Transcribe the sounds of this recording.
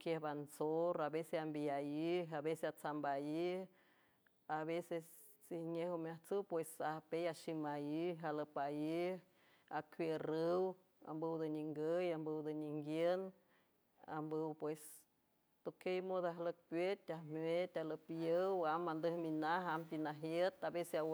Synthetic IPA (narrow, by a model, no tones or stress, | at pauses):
kjehbansoɾabeseambiajiɦaβeseat͡sambaji | aβeses | t͡siɲehomjaht͡sɨwpwesapejaʃimajiɦaləpaji | akʷwerɨw | a̰mbəwd̪əɲiŋɡəjambəwd̪əɲiŋɡjen | a̰mbəwpwes | t̪okejmod̪aɦlək̚pjet̪ʲamwet̪ʲaləpəwamːand̪əhminaɦampinaɦjet̪abesea